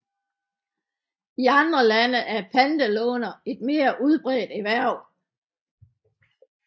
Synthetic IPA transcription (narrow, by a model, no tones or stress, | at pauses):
iɑ̈nd̥ʁɐlænəʔæɐpʰænd̥əlɔ̰ːnɐe̝d̥̚me̝̰ːɐʔuð̞ˠb̥ʁɛːd̥eʋæɐ̰